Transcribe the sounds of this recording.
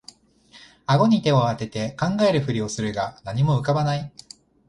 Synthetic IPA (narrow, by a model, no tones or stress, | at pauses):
aɡo̞ɲ̟it̪e̞oat̪e̞t̪e̞kãŋɡae̞ɾɯ̟ɸɯ̟ɾʲio̞sɨɾɯ̟ɡanaɲ̟imo̞ɯ̟kabanai